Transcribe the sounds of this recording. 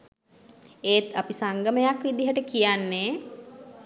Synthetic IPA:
eːt̪apisaŋɡəməjakʋid̪iɦəʈəkijanːeː

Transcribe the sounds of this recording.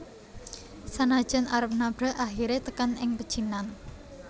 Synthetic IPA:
sanad̥ʒ̥a̤naɾəp̚nab̥ɾa̤ʔaxiɾet̪əkanɪŋpəd̥ʒ̥inan

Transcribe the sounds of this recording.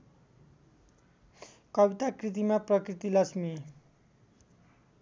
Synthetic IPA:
kʌbit̪akrit̪̬imaprʌkrit̪ilʌsmi

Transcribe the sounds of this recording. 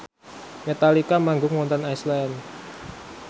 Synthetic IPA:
met̪alikamaŋɡʊŋmɔnt̪ɔnajslɛn

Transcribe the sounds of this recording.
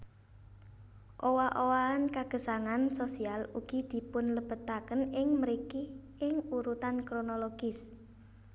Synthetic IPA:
ʔowaʔowaːnkaɡ̥ə̤saŋansosialuɡ̥id̪̥i̤pʊnləb̥ə̤t̪akənɪŋməɾiki | ɪŋuɾut̪ankɾonoloɡ̥ɪs

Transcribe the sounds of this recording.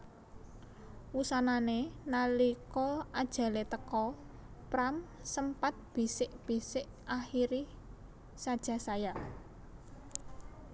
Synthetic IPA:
wusananenalikɔad̥ʒ̥ä̤let̪əkɔ | pɾamsəmpat̪̚b̥i̤sɪʔb̥isɪʔ | ʔaxiɾi | sad̥ʒ̥a̤saja

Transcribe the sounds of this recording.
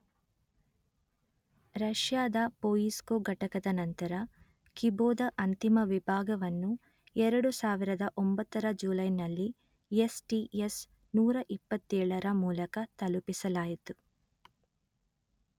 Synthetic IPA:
ɾɐʃjaːd̪ɐpoːjiskoɡɐʈɐkɐd̪ɐnɐnt̪ɐɾɐ | kiboːd̪ɐʔɐnt̪imɐʋibʱaːɡɐʋɐnːu | ɛɾɐɽusaːʋiɾɐd̪ɐʔombɐt̪ːɐɾɐd͡ʒuːlɐjnɐlːi | esʈies | nuːɾɐʔipːɐt̪ːɛːɭɐɾɐmuːlɐkɐt̪ɐlupisɐlaːjit̪u

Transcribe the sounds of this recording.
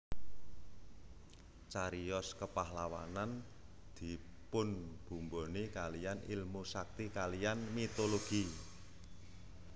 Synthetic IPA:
t͡ʃaɾiɔskəpahlawa̰nan | d̪̥i̤ | pʊnb̥ṳmbonikalijanilmusak̚t̪ikalijanmit̪oloɡ̥i

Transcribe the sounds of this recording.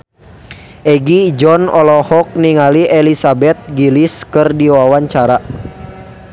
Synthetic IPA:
ʔɛɡid͡ʒɔnɔlɔhɔk̚niŋaliʔelisabɛt̪̚ɡiliskɨrdiwawaɲt͡ʃaɾa

